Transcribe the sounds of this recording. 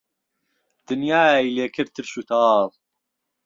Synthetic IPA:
d̪̥ɨnjaːileːkʰəɾt̪ʰəɾʃut̪ɑːðˤ

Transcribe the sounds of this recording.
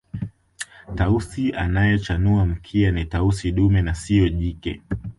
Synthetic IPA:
tausia̰najɛt͡ʃanuam̩kʰianitausiɗumɛnasiɔʄikɛ̰

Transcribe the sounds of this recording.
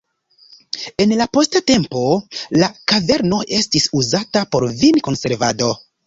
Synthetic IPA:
e̞nlapo̞state̞mpo̞lakave̞ɾno̞ʔe̞stisuzatapo̞ɾvinko̞nse̞ɾvado̞

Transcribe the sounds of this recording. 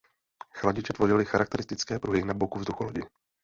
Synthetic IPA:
xlaɟɪt͡ʃɛt̪vo̞ʒɪlɪxaɾak̚t̪ɛɾɪst̪ɪt͡skɛːpɾuɦɪnabokuvzduxuloɟɪ

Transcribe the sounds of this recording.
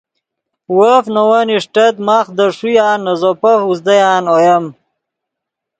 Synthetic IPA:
wəfnɐwaniʂʈɐt̪maχd̪ɐʂujaːnːɐzopɐfuzd̪ɐjaːnojɐm

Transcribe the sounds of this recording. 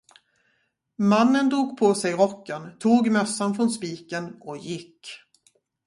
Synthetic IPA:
manːənd̪uːɡpʰosɛjɾɔkːant̪ʰuːɡmœsːanfɾɔnspiːkənɔjɪkː

